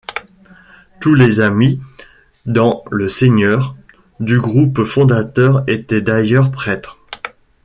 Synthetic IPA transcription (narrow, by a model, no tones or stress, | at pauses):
t̪ulezami | d̪ɑ̃ləseɲœʁ | d̪yɡʁupfɔ̃d̪at̪œʁet̪ɛd̪ajœʁpχɛt̪χ